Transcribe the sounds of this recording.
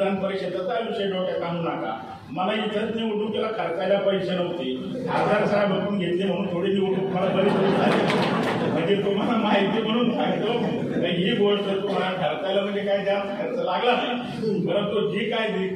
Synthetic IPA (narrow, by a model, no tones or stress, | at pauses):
anpəɾikɕəd̪ət̪aɾaʋiɕəjɖoʈat̪aɦuːnaka̰ | məlait̪ʰəɾiʋuʈuːkkalakʰəɾt̪aljapəjkɕənəʋt̪iː | ad͡zʱaɾsajabʱəuːnɡʱet̪liːm̤əɽ̃uːnt̪ʰoɽiːniuʈuːkm̤əlabəɾiːsotaliməkiːɾt̪om̤əlamaɦit̪iːm̤əɽ̃uːnt̪ʰajt̪o | kə̃jɦiːbʱolsəɾt̪om̤aɭaɡ̪ʱəɾt̪ajləm̤əɳnd͡zekajd̪ʱja | kəɾt͡səlaɡlasə | bəɾət̪od͡ʑiːkajd̪i